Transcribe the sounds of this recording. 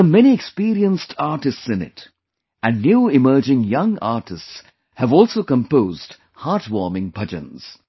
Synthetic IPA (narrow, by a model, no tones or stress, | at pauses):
əmɛniɛkspiːɾiə̃nstʰaːɾʈɪstsɪ̃nɪ̰t | ʔæ̃nːjuːɪmɜːd͡ʒɪ̃ŋjʌ̃ŋa̰ːʈɪsts | hævɔːlˠsoːkə̃mpoːzd | haːʈwɔːmɪ̃ŋpʰʌd͡ʒə̰̃nz̥